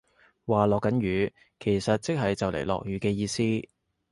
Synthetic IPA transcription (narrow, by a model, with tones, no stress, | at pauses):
waː˨lɔː˨kːɐ˨˥nɥyː˨˧ | kʰe˨˩jsɐ˨t̚t͡sɪ˥k̚ɦɐ˨jt͡sɐ˨wlḛ˨˩jlɔ̰ː˨k̚ɥyː˨˥kɛː˧jiː˧siː˥